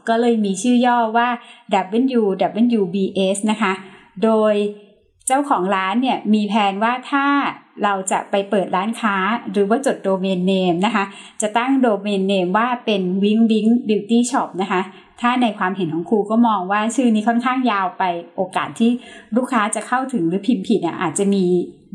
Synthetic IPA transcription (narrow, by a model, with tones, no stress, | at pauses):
kɔː˥˩lɤː˧jmiː˧t͡ɕʰɯː˥˩jɔː˥˩waː˥˩dɛ˨˩p̚ʔe˧˥njuː˧dɛ˨˩p̚ʔe˧˥njuː˧biː˧ʔe˦˥sna˦˥kʰa˦˥ | doː˧j | t͡ɕa˥˩wkʰɔː˩˦ŋɾaː˦˥nːi˥˩ɐmiː˧pʰɛː˧nwaː˥˩t̪ʰaː˥˩ɾa˧wt͡ɕa̰˨˩pa˧jpɤː˨˩t̪̚ɾaː˦˥nkʰaː˦˥ɾɯː˩˦waː˥˩t͡ɕo˨˩t̪̚doː˧meː˧nːeː˧mna˦˥kʰa˦˥ | t͡ɕa˨˩t̪a˥˩ŋdoː˧meː˧nːeː˧mwaː˥˩pe˧nwi˦˥ŋwi˦˥ŋbiː˧wt̪iː˥˩t͡ɕʰɔ˦˩p̚na˦˥kʰa˦˥ | t̪ʰaː˥˩na˧jkʰwaː˧mɦe˨˩˦nkʰɔː˩˦ŋkʰuː˧kɔː˥˩mɔː˧ŋwaː˥˩t͡ɕʰɯː˥˩niː˦˥kʰɔ˥˩nkʰaː˥˩ŋjaː˧wpa˧jʔoː˧kaː˨˩t̪ʰːiː˥˩ɾuː˥˩kʰːaː˦˥t͡ɕa˨˩kʰa˥˩wt̪ʰɯ˨˩˦ŋɾɯː˩˦pʰi˧mpʰi˨˩nḭ˥˩ʔa̰ː˨˩t̪̚t͡ɕa˨˩miː˧